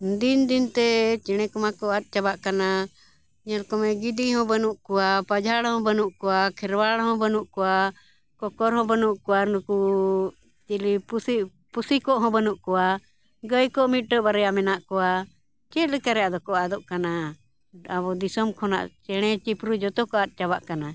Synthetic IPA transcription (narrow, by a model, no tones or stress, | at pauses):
d̪ind̪int̪ɛt͡ʃɛɽ̃ɛkɔmakɔat̪̚t͡ʃabaʔkana | ɲɛlkɔmɛɡid̪iɦɔ̃bənuʔkɔwapad͡ʒʱaɽhɔ̃bənuʔkɔwakʰɛɾwaɽhɔ̃bənuʔkɔwa | kɔkɔɾɦɔ̃bənuʔkɔwanuku | t͡ʃilipusi | pusikɔʔɦɔ̃bənuʔkɔwa | ɡəjkɔʔmit̪̚ʈəʔbaɾɛamɛnaʔkɔwa | t͡ʃɛt̪̚lɛkaɾɛaʔd̪ɔkɔʔad̪ɔʔkana | abɔd̪isɔmkʰɔna̰ʔt͡ʃɛɽ̃ɛt͡ʃipɾud͡ʒɔt̪ɔkɔat̪̚ˀt͡ʃaβaʔkana